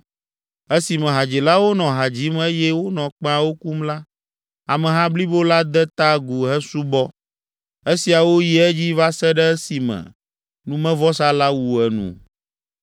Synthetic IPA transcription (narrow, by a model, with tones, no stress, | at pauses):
e˦si˨mɛ̃˨ɦa˨d͡ʑi˨la˦wo˦nɔ̃˨ɦa˨d͡ʑi˨˦me˦jɛ˦wo˦nɔ̃˨k͡pa˨˦wo˦ku˦mla˦ | a˨mɛ̃˨ɦã˦bli˦bo˦la˦d̪ɛ˦t̪a˦ɡu˨ɦɛ˦su˦bɔ˦ | e˦si˨a˨wo˦ji˦ɛ˦d͡ʑi˦va˦sɛ˦ɖɛ˦si˨mɛ̰̃˨ | nũ˦mɛ̃˦vɔ˦sa˦la˦wu˨ɛ˨nṵ̃˨